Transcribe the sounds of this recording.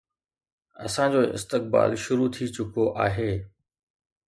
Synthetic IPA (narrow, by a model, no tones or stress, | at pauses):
ɐ̰sãːd͡ʑoːʔɪ̰st̪ɪk̚ba̰ːlʃʊɾut̪ʰit͡ɕʊkoʔaːɦeː